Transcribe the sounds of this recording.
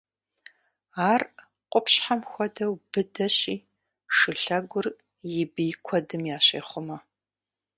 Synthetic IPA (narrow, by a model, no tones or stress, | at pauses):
aːr | qʷʊpɕħamxʷɔdɐwb̥ɨdɐɕiː | ʂɨɬɐɡʷʊr | jɪbikʷʰɔdɨmjaːɕḛːχʷʊmɐ